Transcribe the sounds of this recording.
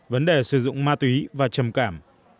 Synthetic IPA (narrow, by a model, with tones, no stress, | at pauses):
və˨˦nɗe˨˩sɨ˨˧˩zʊ̰˧˨ŋ͡mmaː˧t̪wi˨˦vaː˨˩t͡ɕə˨˩mkaː˧˩m